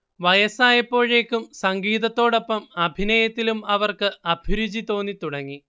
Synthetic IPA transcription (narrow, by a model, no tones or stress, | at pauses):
ʋɐjɐsaːjɐpːo̞ːɻe̞ːkːumsɐŋɡiːðɐt̪ːo̞ːɽo̞pːɐmɐbʱinɐjɐt̪ːilumɐʋɐrkɨɐb̥ʱiɾud͡ʑit̪o̞ːnːit̪uɽɐŋːi